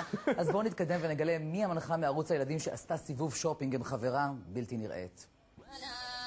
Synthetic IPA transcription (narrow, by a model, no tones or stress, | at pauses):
ʔazbonit̪̚kad̪e̞mveneɡale̞miamanχameaʁut͡sajelad̪imʃeʔast̪asivuvʃopiŋɡimχaveʁabiltiniʁʔḛt̪